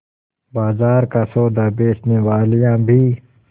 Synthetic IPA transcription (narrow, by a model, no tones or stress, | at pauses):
baːzaːɾkasoːd̪abeːt͡ʃneʋaːlijãbʱiː